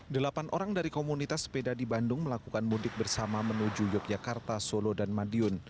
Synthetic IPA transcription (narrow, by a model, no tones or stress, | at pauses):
dəlapanʔoɾaŋdaɾikomunit̪aspedadibandʊŋməlakukanmudɪk̚bərsamamənud͡ʒujɔk̚d͡ʒakart̪asolodanmadiʊn